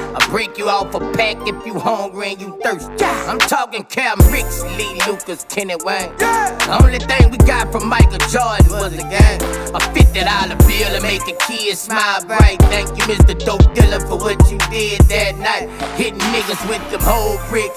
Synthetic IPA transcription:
abɹeɪkjɨafəpʰækɨfjɨhɔ̃ŋɡɹɪ̃njɨθɜ˞st͡ʃʰãɪ̃mtʰɔkɪ̃ŋkʰɛmɹɪkslilukɨz̥kʰɪ̃nɨt̚weɪðiõʊ̃nliθɪ̃ŋwiɡɑtfɹʌ̃maɪkl̩ˠd͡ʒɔnwwʌzɨɡaɪafɪt̚ɨɾaʊɾʌbilˠɨmeɪk̚ɨkʰiɨsmaɪlˠbɹaɪt̚θæ̃ŋkjɨmɪstə˞doʊp̚d̥ɪlˠəfə˞wʌt͡ʃɨdɪd̪̚ðɨt̚ⁿnaɪt̚hɪtⁿmɪɡʌswɪðkə̃mhoʊlˠbɹɪk

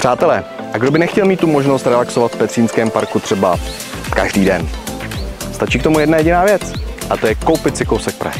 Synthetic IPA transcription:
pr̝̥aːt̪ɛlɛː | ʔaɡdo̞bɪnɛxcɛlmiːt̪ːumo̞ʒnost̪ɾɛlaksovat̪fpɛt̪r̥iːnskɛːmpaɾkut̪r̥ɛba | kaʒdiːdɛn | st̪at͡ʃiːk̚t̪omujɛdnajɛɟɪnaːvjɛt͡sʔat̪o̞jɛkowpɪt̪sɪkowsɛk̚pɾa̰hɪ

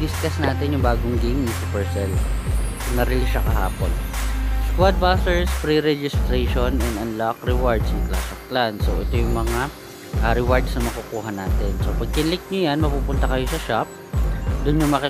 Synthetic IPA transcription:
diskɐsnaːt̪ɪnjʊŋbaːɡʊŋɡimnɐsɪpɛɹsɛl | pɐɡnɐɾɛlɪʃɐkɐɦa̰ːpo̰nskwad̪̚basɛɹspɾiɾɛd͡ʒɪst̪ɾeʃonɛnd̪ɐnlakɾɛwaɹd̪sjʊŋk̪la̰sɐk̚t̪lansoʔɛt̪ojʊŋmɐŋa | ʔɐɾɪwaɹd̪snɐmɐkukuːɦɐnaːt̪ɛnsopɐɡ̚kɪnlɪk̚ɲojanmɐpuːpʊnt̪ɐkɐjosɐʃap̚ | d̪ʊnɲʊŋmɐki

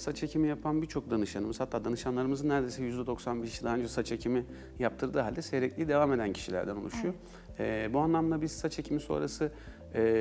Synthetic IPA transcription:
sat͡ʃʰecʰimijapʰanbiɾt͡ʃʰo̞k̚d̪anɯʃanɯmɯzhat̪ʰːaːd̪anɯʃanlˠaɾɯmɯzɯnːæɾd̪e̞jsɛjyzd̪ɛd̪o̞ksanbeʃiʃt͡ʃid̪aɦaɯnd͡ʒɛsat͡ʃʰecʰimi | jap̚t̪ʰɯɾd̪ɯːɦalʲd̪ɛsejɾɛclʲijid̪e̞vaːme̞d̪æncʰi̥ʃilʲæ̰ɾd̪ænulˠuʃujo | ɛːbuanlˠamd̪abisat͡ʃʰecʰimiso̞̰ːɾasɯ | ɛː

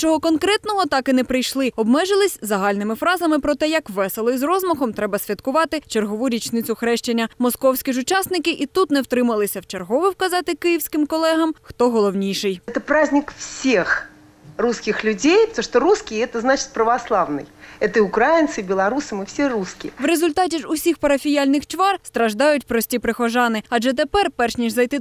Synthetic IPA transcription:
t͡ʃɔɦɔkɔnkɾɛt̪nɔɦɔt̪ɑkɪnɛpɾɪjʃlˠɪɔbmɛʒɨlˠɪsʲzɐɦɑlʲnɪmɪfɾɑzɐmɪpɾɔt̪ɛjɐkʋɛsɛlˠɔizrɔzmɔxɔmt̪ɾɛbɐsʲʋʲɐt̪kʊʋɑt̪ɪt͡ʃerɦɔʋuɾʲit͡ʃnɪt͡sʲʊxɾɛʃt͡ʃɪnʲːɐmɔskɔwsʲkʲiʐʊt͡ʃɑsnɪkɪʔit̪ut̪nɛwt̪ɾɪmɐlˠɪsʲɐwt͡ʃɐrɦɔʋɪwkɐzɑt̪ɪkɪjiwsʲkɪmkɔlˠɛɦɐmxt̪ɔɦɔlˠɔwnʲijʂɪjɛt̪əpɾazʲnʲɪkfsʲex | ruskʲɪxlʲʊd͡zʲejpt̪uʂt̪ɔɾuskʲɪɛt̪əznat͡ʃɪ̥t̪̚ʲpɾəvaslˠawnɨ̰jɛt̪əiʊkɾajɪnsɨbʲɪlˠɐɾusɨmɨfsʲeɾuskʲɪ̰ʋɾezʊlʲt̪ɑtʲiʐʊsʲixpɐɾɐfʲijalʲnɪxt͡ʃʋɑrst̪ɾɐʒd̪ɑjʊtʲpɾɔsʲtʲipɾɪxɔʒɑnɪɐʐɛt̪̬epɛrpɛrʃnʲiʒzɐjt̪ɪ

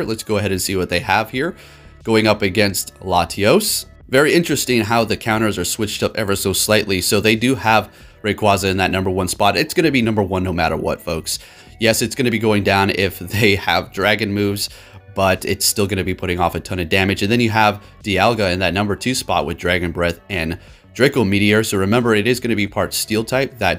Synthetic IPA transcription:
lətsɡ̥oʊəɦɛɾɨ̃nsiwʌt̪̚ðeɪəv̥hiɹ | ɡ̥oʊɪ̃ŋʌpɨɡɛ̃nstlɑtʰioʊs | vɛɹiɪ̃nt͡ʃɹ̥ɨstɪ̃ŋɦaʊðɨkʰãʊ̃ɾ̃ə˞zə˞swɪt͡ʃtʌpɛvə˞soʊslaɪʔˡlisoʊðeɪdɨəv | ɹeɪkʰw̥ɑzɨɨ̃nðɨtⁿnʌ̃mbə˞wʌ̃nspɑɾɨtsɡ̥ʌñɨbinʌ̃mbə˞wʌ̃nːoʊmæɾə̰˞wʌ̰tfoʊks | jɛsɨtsɡ̥ʌñɨbiɡoʊɪ̃ŋdãʊ̃nɪfðeɪəvdɹæɡɨ̃nmʉvz̥ | b̥ʌɾɪ̰tstɪlˠɡʌnɨbipʰʊɾɪ̃ŋɔfɨtʰʌ̃ñɨdæmɨd͡ʒɨ̃nðɨ̃njɨəv | d̥iælˠɡəɨ̃nðɨt̚ⁿnʌ̃mbə˞tʰʉspɑ̰t̚wɨðdɹæɡɨ̃nbɹɛθɨ̃n | d̥ɹ̥ɪkl̩ˠmiɾiə˞soʊɹɨmɛ̃mbə˞ɨɾɨzɡʌnɨbipʰɑɹtstilˠtʰaɪp̚ðɨt̚

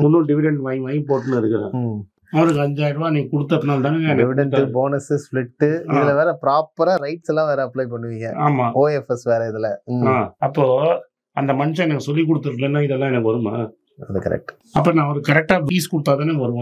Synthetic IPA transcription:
mʊnːuːlɖɪʋɪɖɛɳʈʋɐjʋɐːjmpoːʈːɯnɯɪɾɯkːɯɾḛ̃ː | ɐʋɐɾɯkːɐɲd͡ʒaːjɾʋaːnĩːŋɡɐkʊɽɯt̪̬ːɐpːɪnaːlt̪aːnɛnɐɪʋɪɖɐnaboːnɐsɪsflɪʈːɯaɪðɪlɐʋeːɾɛpɪɾaːpɐɾaɾɐɪʈsɛlːãːʋeːɾɛɐplɐɪp̬ɐɳːɯʋɪŋɡɐ̰̃aːmaːoːɛfɛsʋeːɾɐɪðɪlɛaːɐpːoː | ɐnd̪ɐmɐnɪʂɐ̃ɛnɐkːɐsɔlːik̬ʊɽɯt̪ːɯɾɯlɛnːãːɪðɛlːãːɛnɐkːɯʋɐɾɯma | ɐðɯkɐ̰ɾɛ̰k̚ʈɯ̥ | ɐpːonãːɐʋɐɾɯkɐɾɛk̚ʈaːʋiːskʊɽɯt̪ːaːt̪̬aːneʋɐɾɯʋõ

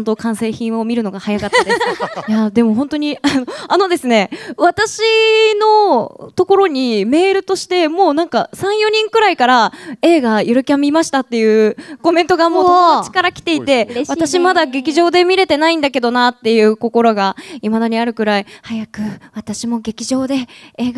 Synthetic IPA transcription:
ont̪o̞kãɰ̃se̞ːçĩɰ̃o̞mʲiɾɯ̟no̞ɡahajakat̪ːjad̪e̞mo̞ɦont̪o̞ɲ̟ianoano̞d̪e̞sɨne̞β̞at̪aɕino̞t̪o̞ko̞ɾo̞ɲ̟ime̞ːɾɯ̟t̪o̞ɕi̥t̪e̞mo̞ːnãŋkasãɰ̃jo̞ɲ̟ĩŋkɯ̟ɾaikaɾae̞ːɡajoɾɯ̟kʲamʲimaɕi̥t̪at̪ːe̞jɯ̟ːko̞mẽ̞nt̪o̞ɡamo̞ːt͡ɕi̥kaɾakʲi̥t̪e̞it̪e̞β̞at̪aɕimad̪aɡe̞kʲiʑo̞ːd̪e̞mʲiɾe̞t̪e̞naĩnd̪ake̞d̪o̞nat̪ːe̞jɯ̟ːko̞ko̞ɾo̞ɡaimad̪aɲ̟iaɾɯ̟kɯ̟ɾaihajakɯ̟βat̪aɕimo̞ɡe̞kʲiʑo̞ːd̪e̞eːɡ

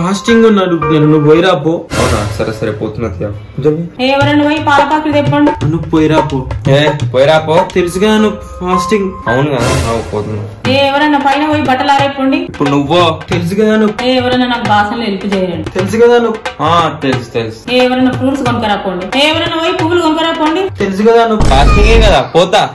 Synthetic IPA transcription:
faːsʈiŋɡunːaːɽuneːnunuʋojiɾaːpːoːɐ̰wuna̰ːsɐɾesɐɾepoːt̪unːɐt̪jaː | ɐd͡ʒɐmieːɛʋɐɾɐnːɐʋɐjipaːlɐpaːkid̪epːɐɳɖiɐnupoːjɾaːpoːepoːjɾaːpot̪elisukɐd̪aːnu | pʰaːsʈiŋɡɐwunkɐd̪a̰ːnapo̰ːt̪unːɐ̰d̪eːɛʋɐɾɐnːɐpɐjnɐʋɐjibɐʈːɐlaːɾɐjpːoːɳɖiipːuɽunuʋːoːt̪elis̬ukɐd̪aːnueːɛʋɐɾɐnɐnaːkɐbʱaːsɐnloelput͡ʃɛːjɐɾɐɳɖit̪elis̬ukɐd̪aːnuaːt̪elst̪eliseːɛʋɐɾɐnːɐpuːɾsɡɐmkɐɾaːpoːɳɖieːʋɐɾɐnːɐʋɐjpuɡuluɡɐmkɐɾɐjpoːɳɖit̪elis̬ukɐd̪aːnupʰaːsʈiŋɡeːkɐd̪aːpɔːt̪ːaː

